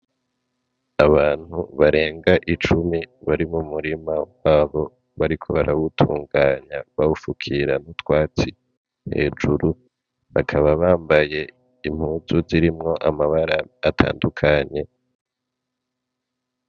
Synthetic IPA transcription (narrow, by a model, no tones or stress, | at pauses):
aβaːn̥huβaɾe̞ːŋɡaʔit͡ʃumiβaɾimumuɾimawaːβo̞ | βaɾikʰo̞βaɾʔawutʰuːŋɡaɲaβawufukʰiɾanutwaːt͡si | he̞̰ːd͡ʒuɾu | βakʰaβaβaːmbaje̞ | im̥huːzuziɾimŋo̞ʔamaβaɾaːtʰa̰ːndukʰaɲe̞